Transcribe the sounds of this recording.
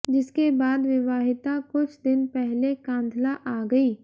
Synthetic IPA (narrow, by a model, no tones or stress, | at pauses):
d͡ʒɪskebaːd̪ʋɪʋaːɦɪt̪akʊt͡ʃʰd̪ɪnpɛɦlekãːnd̪ʱlaʔaːɡɐiː